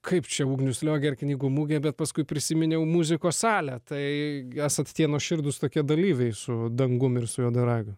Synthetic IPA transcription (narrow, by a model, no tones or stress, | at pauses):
kʰɐɪpt͡ʃʲɛuːɡnʲʊsʲlʲoːɡʲɛɪrknʲiːɡʊmuːɡʲɛbʲɛt̪pɐskʊɪpʲɾʲɪsʲimʲɪnʲɛʊmuːzʲɪkoːsɑːlʲæt̪ɐɪæsɐt̪ʲt̪ʲiɛnoʃʲɪɾd̪ʊst̪oːkʲiɛd̪ɐlʲiːʋʲɛɪsʊd̪ɐŋɡʊmɪrsʊjoːd̪ɐɾɑːɡʲʊ